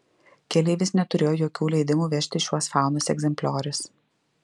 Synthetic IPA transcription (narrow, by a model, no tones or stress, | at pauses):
kʲɛlʲɛɪʋʲɪsnʲɛt̪ʊɾʲeːjoːjoːkʲuːlʲɛɪd̪ʲɪmuːʋʲɛʃʲt̪ʲɪʃʲuɔsfɑˑʊnʊsɛ̰ɡzʲɛmʲpʲlʲoːɾʲʊs